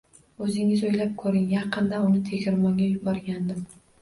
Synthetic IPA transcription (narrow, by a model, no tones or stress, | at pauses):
ɵzɪŋɪzojlap̚kʰɵɾɪŋjɑqɨnd̪aʊnɪt̪ʰe̞kʲɪɾmɒŋɡʲajʊbɒɾɡʲand̪ɪm